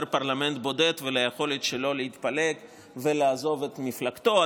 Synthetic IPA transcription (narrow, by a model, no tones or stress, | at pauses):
ɾpaʁlame̞nt̪bo̞d̪et̪velajeχo̞let̪ʃelo̞leit̪palek | velaːzo̞vet̪miflakt̪o̞